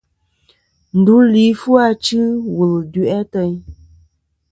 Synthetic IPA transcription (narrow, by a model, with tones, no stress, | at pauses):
n̩˨du˨˦li˨˦fu˦a˦t͡ʃɨ˦wu˨ldu˨ʔɛ˦tə˧ɲ